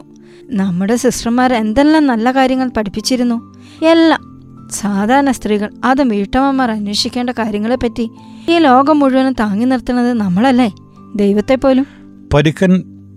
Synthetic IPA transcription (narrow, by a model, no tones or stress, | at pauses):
nɐmːuɽe̞siʂrɐmːaːɾe̞nd̪e̞lːaːmnɐlːɐkaːɾjɐŋːɐɭpɐʈʰipːit͡ɕːiɾunːu | elːa | saːd̪ʱaːɾɐnɐst̪riːɣɐɭɐðɨmʋiːʈːɐmɐmːaːrɐnweːʂikʲːe̞ːɳɖɐkaːɾjɐŋːɐɭepːɐtːi | iːlo̞ːɡɐmːuɻuʋɐnumt̪aːŋːinirt̪ːunːɐðɨnɐmːɐɭɐlːe | d̪ejʋɐt̪ːe̞pːo̞ːlum | pɐɾikːɐn